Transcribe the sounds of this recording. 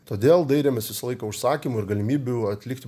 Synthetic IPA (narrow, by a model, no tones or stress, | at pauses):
t̪oːd̪ʲeːlˠd̪ɐɪɾʲeːmʲɛsʋʲɪsɐlˠɐɪkɐʊʃsɑːkʲiːmʊɪɾɡɐlʲɪmʲiːbʲʊɐt̪ʲlʲɪkt̪ʲ